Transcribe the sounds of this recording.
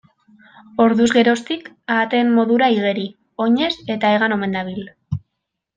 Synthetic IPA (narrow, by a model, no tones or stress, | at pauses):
o̞ɾðuzɣe̞ɾo̞st̪ik | aːt̪e̞mmo̞ðuɾaiɣe̞ɾi | o̞ɲe̞se̞t̪aeɣ̞ano̞me̞nd̪aβ̞il